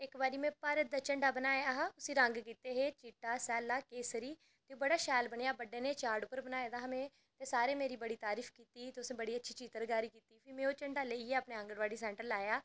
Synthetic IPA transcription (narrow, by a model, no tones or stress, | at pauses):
ɪkbaːɾiːmɛ̃ːpaːɾət̪̚d̪aːt͡ʃəɳɖaːbənaːeaɦaːʊsiːɾəŋɡkiːt̪eːɦeːt͡ʃiʈːaːsɛːlaːkeːsəɾiː | t̪eːubəɽaːʃɛːlbəɳejaːbəɖeːneːt͡ʃaːɾɖʊpːəɾbənaːeːd̪aɦəmẽː | t̪eːsaːɾeːmeːɾiːbəɽiːt̪aːɾiːfʰkiːt̪iːt̪eːʊsẽbəɽiːətːʃʰiːt͡ʃiːt̪əɾɡaːɾiːkiːt̪iːpʰiːmẽːoːt͡ʃəɳɖaːleːiːeːəpneːə̃ŋɡəɽʋaːɽiːsɛ̃ːɳʈəɾlːaːjaː